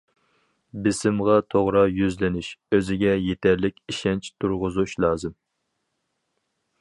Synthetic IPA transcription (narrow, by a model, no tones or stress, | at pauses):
bɪsɪmʁɑt̪ʰoʁɾɑjyzlɪnyʃøzɪɡʲɛjet̪ʰæɾlɪkʲiʃɛnt͡ʃʰt̪ʰuɾʁʊzuʃlˠɑːzɨm